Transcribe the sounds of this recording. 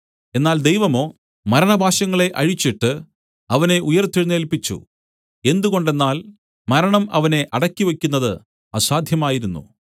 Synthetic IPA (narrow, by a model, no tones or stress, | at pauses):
e̞nːaːld̪ejʋɐmo̞ː | mɐɾɐɳɐbʱaːɕɐŋːɐɭe̞ʔɐɻit͡ɕːiʈːɨ | ɐʋɐne̞ʔujɐrt̪ːiɻnːeːlpit͡ɕːṵ | e̞nd̪uɣo̞ɳɖe̞nːaːl | mɐɾɐɳɐmɐ̰ʋɐne̞ʔɐɽɐkʲːiʋekʲːunːɐðɨ | ɐsaːd̪ʱjɐmaːjiɾunːṵ